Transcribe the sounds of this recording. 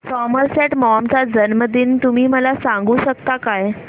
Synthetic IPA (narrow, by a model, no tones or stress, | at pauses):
sɔməɾseʈmɔmt͡sad͡zənməd̪ʱiːnt̪umiːməlasãŋɡuːɕək̚t̪akaj